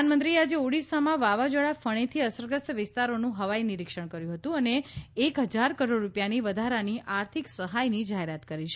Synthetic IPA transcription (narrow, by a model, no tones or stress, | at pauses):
nmənt̪ɾiad͡ʒeoɽisamãʋaʋad͡ʒəɭafəɽ̃et̪ʰiəsəɾɡəsʋɪst̪aɾonũɦəʋainɪɾikʃəɳkəɾjũɦət̪ũəneːkɦəd͡ʒaɾkəɾoɖɾupjaniʋəd̪ʱaɾaniʔaɾt̪ʰiksəɦajnid͡ʒaɦeɾat̪kəɾiʃʰ